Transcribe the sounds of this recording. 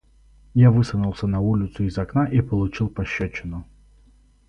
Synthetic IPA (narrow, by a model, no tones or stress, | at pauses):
javɨsɐnʊlˠsʲənɐulʲɪt̪sʊizɐknaʔipəlˠʊt͡ɕilˠpɐɕːat͡ɕːɪnʊ